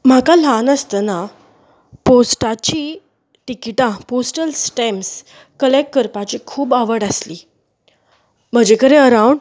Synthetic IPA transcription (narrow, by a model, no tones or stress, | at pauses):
m̤akalanəst̪əna | posʈat͡ɕi | ʈikiʈãposʈəlsʈems | kəlekkəɾpat͡ɕikʰuːbaʋəɽasli | m̤əd͡ʑekəɾẽəɾauɳɖ